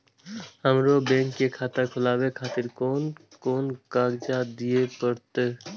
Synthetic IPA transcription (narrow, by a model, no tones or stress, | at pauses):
həmɾobɛ̃ŋkːekʰat̪akʰʊlaːbekʰat̪iɾkon | konkaɡd͡ʒad̪ijepəɾt̪e